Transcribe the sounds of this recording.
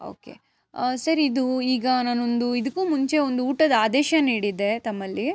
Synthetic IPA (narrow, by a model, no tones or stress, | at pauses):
o̞̰ːke̞̰ | sɐɾiːd̪uiːɡɐnaːno̞nd̪uid̪ɐkːuːmuɲt͡ʃe̞ond̪uuːʈɐd̪ɐaːd̪ɛːʃɐniːɽid̪e̞t̪ɐmːɐlːi